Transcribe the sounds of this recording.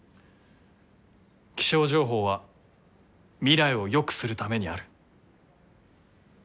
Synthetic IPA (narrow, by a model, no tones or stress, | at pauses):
kʲi̥ɕo̞ːʑo̞ːɦo̞ːβa | mʲiɾaio̞jo̞kɯ̟̥sɨɾɯ̟t̪ame̞ɲ̟iaɾɯ̟̥